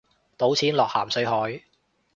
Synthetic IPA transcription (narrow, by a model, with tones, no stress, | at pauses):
t̪o˨˥wt͡sʰiː˨˥nlɔː˨k̚haː˨˩msɵ˨˧ɥɦɔː˨˥j